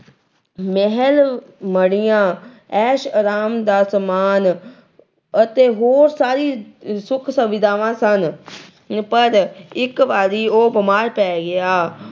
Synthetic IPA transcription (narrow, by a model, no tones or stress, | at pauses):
mɛɦɛl | məɽijãː | ɛːʃəɾaːmd̪aːsəmaːn | ət̪eːɦoːɾsaːɾiːsʊkʰsəʋɪd̪aːʋãːsən | pəɾɪkʋaːɾiːoːbəmaːɾpɛːɡɪjaː